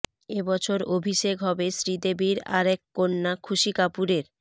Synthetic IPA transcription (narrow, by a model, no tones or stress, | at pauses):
ebɔt͡ɕʰoɾobʱiʃekɦɔbesɾid̪ebiɾa̰ɾɛkːonːakʰuʃikapuɾeɾ